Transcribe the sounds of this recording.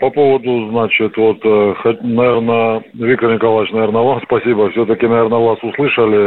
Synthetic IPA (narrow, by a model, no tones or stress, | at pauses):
pɐpo̞vəd̪ʊznat͡ɕɪt̪vot̪xɐt̚ʲnɐvʲernə | vʲik̚t̪ərnʲɪkɐlˠajɪt͡ʃnɐvʲe̞rnəvamspɐsʲibəfsʲot̪əkʲɪnɐvʲe̞rnəvasʊslˠɨʂəlʲɪ